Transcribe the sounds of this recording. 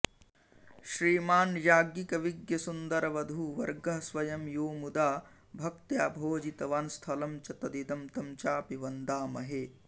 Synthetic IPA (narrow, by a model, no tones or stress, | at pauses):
ʃɾiːmaːnjaːɡikɐʋiɡjɐsund̪ɐɾɐʋɐd̪ʱuːʋɐɾɡɐɦsʋɐjɐmjoːmud̪aː | bʱɐk̚t̪jaːbʱoːd͡ʒit̪ɐʋaːnst̪ʰɐlɐmt͡ʃɐt̪ɐd̪id̪ɐmt̪ɐmt͡ʃaːpiʋɐnd̪aːmɐɦe